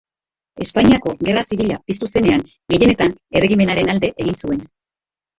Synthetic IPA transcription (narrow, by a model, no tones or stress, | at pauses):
e̞spaɲiako̞ɣe̞rasiβiʎapist̪use̞ne̞aŋ | ɡe̞je̞ne̞t̪ane̞re̞ɣime̞naɾe̞nald̪e̞ʔeɣinsue̞n